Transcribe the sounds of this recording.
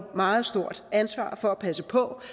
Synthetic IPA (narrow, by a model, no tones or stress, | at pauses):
mɑ̈ːð̞̩ˠsd̥o̝ɐ̰d̥ænsʋɑ̰̈ːfɒ̽æpʰæsəpʰɒ̽